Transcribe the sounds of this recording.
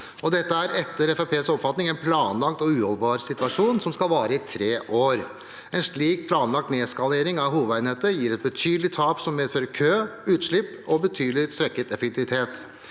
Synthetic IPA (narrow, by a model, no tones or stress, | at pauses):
ɔd̪ɛt̪ːəæɾɛt̪ːəɾɛfæpʰeːsɔpfɑt̪nɪŋæɪnpʰlɑːnlɑkt̪ɔʉːhɔlbɑːɾsɪt̪ʋɑʂuːnsɔmskɑlʋɑːɾəɪt̪ʰɾeːʔoːɾ | ɛnʂɭiːk̚pʰlɑːnlɑk̚t̪neːskɑleːɾɪŋɑʋɦuːʋəæɪnheːt̪əjiːɾɛt̪̚bət̪ʰyːd̪lɪt̪ʰɑːpsɔmmeːd̪føːɾəkʰøːʉːt̪ʂɭɪpːɔbət̪ʰyːd̪lɪsɾɛkːət̪ɛfɛk̚t̪ʰɪʋɪt̪ʰeːt̪